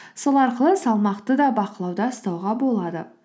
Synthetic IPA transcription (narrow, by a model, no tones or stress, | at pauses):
solˠɑɾqəlˠəsɑlˠmɑqt̪əd̪ɑbɑqəlˠɑwd̪ɑəst̪ɑwʁɑbo̞lˠɑd̪ə